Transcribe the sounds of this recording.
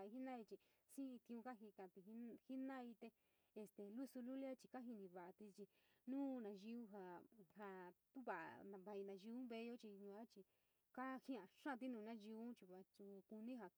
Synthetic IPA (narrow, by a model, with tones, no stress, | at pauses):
a˨i˧ɦi˦nã˦i˧t͡ʃi˧ | sĩ˦ĩ˧t̪ĩ˧ũ˧ka˦ɦi˧kã˧t̪i˧i˦hi˦nã˦˧i˧t̪e˧ | e˧st̪e˧˨lu˦su˧lu˦lja˦t͡ʃi˧ka˦ɦi˧nĩ˧βa˨ʔa˧t̪i˧t͡ʃi˧ | nũː˦˧nã˧ʒi˧u˦ɦa˧ha˧t̪u˦βa˨ʔnã˨˧βa˧ĩ˧nã˧ʒi˧ũ˦βe˧˦jo˦t͡ʃi˧ɲũ˧a˦t͡ʃi˧ | ka˦hĩ˦ã˧˨ʂã˦˧t̪̬i˦nũː˧nã˦ʒi˧u˦t͡ʃi˧βa˧t͡ʃu˧ku˧nĩ˦ɦa˧